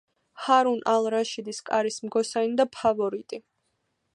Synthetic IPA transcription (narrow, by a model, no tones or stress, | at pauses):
haɾunʔalˠɾaʃid̪iskʼaɾismɡɔsanid̪apʰavɔɾit̪ʼi